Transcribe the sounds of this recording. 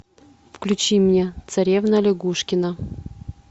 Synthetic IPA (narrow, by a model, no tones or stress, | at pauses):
fklʲʉt͡ɕimnʲet̪sɐɾʲevnəlʲɪɡuʂkʲɪnə